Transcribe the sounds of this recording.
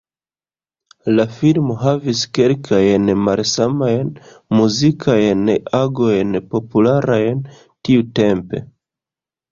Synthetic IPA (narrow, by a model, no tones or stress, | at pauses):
lafilmo̞ɦaviske̞lkʰajnmalsamajn | muzikʰajnaɡo̞jnpo̞pulaɾajn | tiute̞mpe̞̰